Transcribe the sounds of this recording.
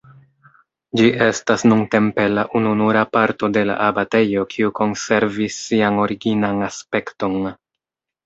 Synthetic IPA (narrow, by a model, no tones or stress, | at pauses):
d͡ʒiʔe̞stasnunte̞mpe̞laʔununuɾapaɾto̞de̞la̰ʔabate̞jo̞kʰiuko̞nse̞ɾvisːiano̞ɾiɡinanaspe̞kto̞n